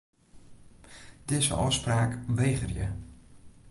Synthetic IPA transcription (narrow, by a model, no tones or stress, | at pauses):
d̥ɪzə̰ʔɔ̰spraːkʋeːχərjə̰